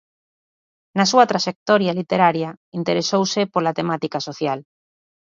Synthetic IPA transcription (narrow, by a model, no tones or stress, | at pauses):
nasuat̪ɾaʃek̚t̪ɔɾjalit̪eɾaɾjaint̪eɾesowsepolat̪emat̪ikasoθjal